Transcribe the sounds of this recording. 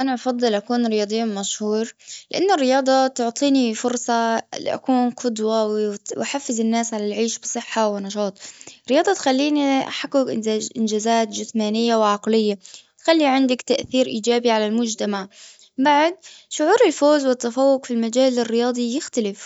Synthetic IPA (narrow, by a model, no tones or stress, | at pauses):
ʔanaʔɑfɑd̪ˤːɨlʔakuːnɾɪjɑːd̪ˤɨjːunmaʃhuːɾlɪʔanːʊrːɪjɑːd̪ˤɑt̪ʊʕt̪ˤʰiːnifʊɾsˤɑl̰ʔa̰kuːnqʰʊd̪wɑwwʔaħafːɪzɪnːaːsʕalalʕiːʃbɨsˤɨħːawɪnɑʃɑːt̪ˤɾɪjɑːd̪ˤɑt̪xalːiːniʔa̰ħakːʊkʔʔɪnd͡ʒaːzaːt̪d͡ʒɪθmaːnɪjːawɪʕɑqlɪjːawt̪xalːiʕɪnd̪akt̪aʔθiːɾʔiːd͡ʒaːbiʕalalmʊd͡ʒt̪amaʕ | baʕd̪̚ʃʊʕuːɾɪlfoːzwɪt̪ːafawːʊqfilmad͡ʒaːlɪrːɪjɑːd̪ˤijɪxt̪alɪf